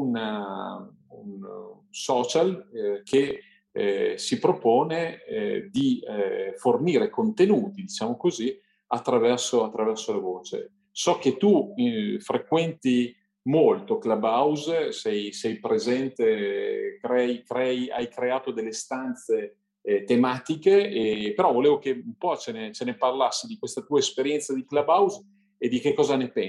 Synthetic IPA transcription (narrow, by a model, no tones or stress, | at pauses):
una | un | sɔːt͡ʃalkʰe | sipɾopoːned̪iforniːɾekont̪enuːt̪id̪it͡ʃaːmokozi | at̪ːɾavɛrsoat̪ːɾavɛrsolavoːt͡ʃḛ | sɔk̟et̪ufɾekwɛnt̪i | molt̪oklabawzsɛjsɛjpɾezɛnt̪ekɾɛjikɾɛia̰jkɾeaːt̪od̪elːest̪ant̪se | t̪emaːt̪ikeepeɾɔvoleːvokeumpɔt͡ʃenet͡ʃeneparlasːid̪ikwest̪at̪uːaespeɾjɛnt̪sad̪iklabawz | ed̪ikekːɔːzanepɛ